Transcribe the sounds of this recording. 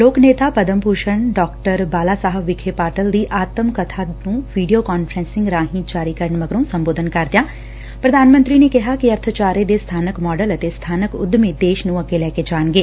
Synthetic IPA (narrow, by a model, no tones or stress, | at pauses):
loːkneːt̪apɐd̪əmpuːʃəɳɖɔːkʈəɾbaːlasaɦəʋɪkʰepaːʈəld̪iʔaːt̪əmkɐt̪ʰanũʋiːɖijokɔːnfʰɾɛ̃ːnsɪ̃ŋɡɾãːɦĩd͡ʒaːɾikɐɾəɳmɐɡɾũsɐ̃mboːd̪ʱənkaɾt̪jãː | pɾɐd̪ʱaːnmə̃nt̪ɾinekɛɦakiɐɾt̪ʰət͡ʃaːɾed̪est̪ʰaːnəkmɔːɖələt̪est̪ʰaːnəkʊ̰d̪mẽd̪eːʃnũɐɡelɛːked͡ʒaːñɡeː